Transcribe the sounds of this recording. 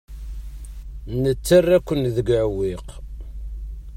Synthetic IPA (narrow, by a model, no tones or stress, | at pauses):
nət͡sːərːækʷːənðəɡʕwːiq